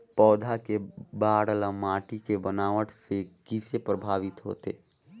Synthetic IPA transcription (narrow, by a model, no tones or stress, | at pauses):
pɔːd̪ʱakebaːɽələmaːʈikebənaːʋəʈsekisepɾəbʱaːʋɪt̪ɦo̰ːt̪ḛ